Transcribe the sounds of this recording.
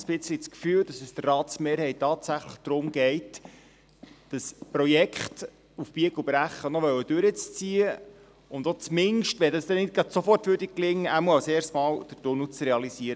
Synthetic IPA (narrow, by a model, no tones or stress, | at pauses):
sb̥ɪt͡səlit͡skfyːwdɑsəsd̥ərːɑːtsmeːɾhɛɪttːɑːtsæχləχd̪̥ɾʊmɡ̥ɛɪt | d̥ɑspɾɔjɛkχt | ufb̥iəɡub̥ɾæχːənɔʋœwəd̥øɾət͡st͡siːə | ʊnd̪ot͡smɪnʃtʋɛdɑsd̪ɛnɪt̚ɡ̥ɾɑd̥sofɔrtʋøɾdik̚klɪŋːəʔæmuəɑwseːrstmɑːld̥ətʊnut͡srɛɑlisiːəɾ